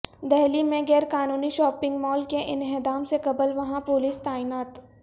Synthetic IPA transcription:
d̪ɛɦlimẽɡɛːɾkaːnuːniʃɔːpɪ̃ŋɡmɔːlkeʔɪnɦed̪aːmsekɐbəlʋɐɦãpʊliːst̪aːinaːt̪

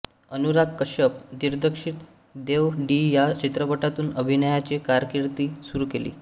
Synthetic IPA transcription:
ənuɾakːəɕəp̚d̪iɾd̪əkʂiːʈ | d̪eʋɖijat͡ɕit̪ɾəpəʈat̪uːnəbʱinəjat͡ɕekaɾkiɾt̪iːsuɾuːkelḭː

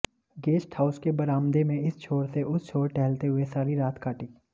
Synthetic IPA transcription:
ɡeːsʈʰhaːʊskebɐɾaːmd̪emẽɪst͡ʃʰoːɽseʔʊst͡ʃʰoːɽʈɛːlt̪eɦʊesaːɾiɾaːt̪kaːʈiː

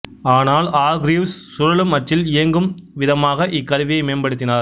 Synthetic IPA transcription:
aːnaːlaːɡɾiːʋsːʊɾɐɭɯmːɐʈrɪlɪjɐŋɡɯmʋɪðɐmaːɣɐʔɪkːɐɾʋɪjɐɪmeːnbɐɽɯt̪ːɪnaːɾ

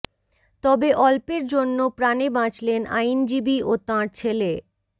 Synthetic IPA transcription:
t̪ɔbeʔɔlpeɾd͡ʑonːopɾanebãt͡ɕlenʔa̰jnd͡ʑibiot̪ãɾt͡ɕʰele

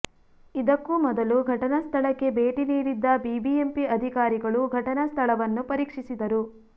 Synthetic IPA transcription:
id̪ɐkːumɔd̪ɐluɡʱɐʈɐnɐst̪ʰɐɭɐkːe̞beːʈiniːɾid̪ːɐbibiempiɐd̪ʱikaːɾiɡɐɭuɡʱɐʈɐnɐst̪ʰɐɭɐʋɐnːupɐɾiːkʂisid̪ɐɾu

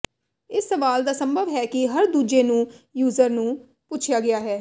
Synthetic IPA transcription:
ɪsːəʋaːld̪aːsəmbʱəʋɦɛːkɪɦəɾd̪uːd͡ʒeːnũːjuːzəɾnũː | pʊt͡ʃʰɪjaːɡɪjaːɦɛː

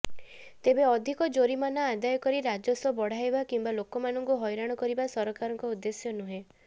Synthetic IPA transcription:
t̪ebeɔd̪ʱikɔd͡ʒoɾimanaad̪ajɔkɔɾiɾad͡ʒɔsɔbɔɽ̤ajbakimbalokɔmanɔŋkuɦɔjɾaɽ̃ɔkɔɾibasɔɾɔkaɾɔŋkɔud̪ːesjɔnuɦẽ

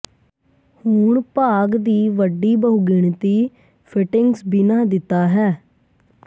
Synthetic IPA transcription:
huːɳpaːɡd̪iːʋəɖiːbəɦuɡɪɳt̪iː | pʰɪʈɪŋɡsbiːnãːd̪ɪt̪ːaːɦɛː

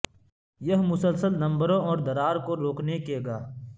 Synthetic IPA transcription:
jɐɦmʊsəlsəlnɐ̃mbɾõɔːɾd̪əɾaːɾkoɾoːknekeːɡaː

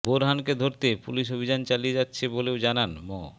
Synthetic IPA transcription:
boɾɦanked̪ʱoɾt̪epṵliʃ̬obʱid͡ʑant͡ɕalied͡ʑatːɕʰebolewd͡ʑananmo

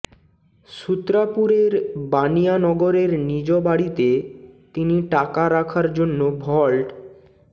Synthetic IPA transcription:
sut̪ːɾapuɾeɾbanijanɔɡoɾeɾnid͡ʑobaɽit̪et̪iniʈakaɾakʰaɾd͡ʑonːobʱɔlʈ

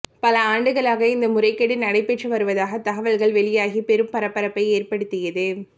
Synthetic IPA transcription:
pɐlɐaːɳɖɯɣɐɭaːɣɐɪnd̪ɐmʊrɐɪkːɐɽɪnɐɽɐɪpeːʈrɯʋɐɾɯʋɐðaːɣɐt̪ɐɣɐʋɐɭɣɐɭʋɛɭɪjaːɣipɛɾɯmpɐɾɐpːɐɾɐpːɐɪeːrpɐɽɯt̪ːɪjɐðɯ

